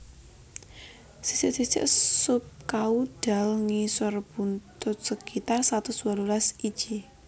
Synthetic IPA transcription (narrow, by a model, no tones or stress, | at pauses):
si̥sɪʔsisɪ̰ʔsʊp̚kauɖ̥a̤lŋisʊrb̥unt̪ʊt̪̚səkit̪arsat̪ʊswalulasid̥ʒ̥i